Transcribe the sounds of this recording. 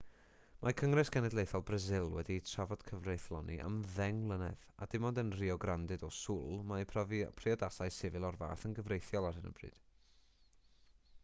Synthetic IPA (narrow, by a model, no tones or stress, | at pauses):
makʰəŋrɪsɡ̥ɛnɛdlejθɔlˠbrəzɪlˠwɛditʰravɔd̥kʰəvrejθlˠɔnḭʔa̰mðɛŋlˠənɛða̰d̥ɪmɔdənriɔɡrandɨdɔsʊlˠmavpʰriɔdasajsɪvɨlˠɔrva̰ːθənɡəvrejθjɔlˠarhɨnə̰brɨ̰d̥